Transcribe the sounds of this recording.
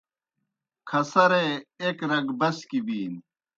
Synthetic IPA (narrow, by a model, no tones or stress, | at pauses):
kʰɐsɐɾeekɾɐɡbɐskibiːn